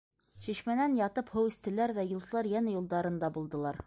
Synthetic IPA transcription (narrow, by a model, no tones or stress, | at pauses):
ɕiɕmænænjɑt̪ɤphɤwɘ̆st̪ɘ̆læɾðæjŭlˠsɤ̆lˠɑɾjænæjulˠd̪ɑɾɤ̆nd̪ɑbulˠd̪ɤ̆lˠɑɾ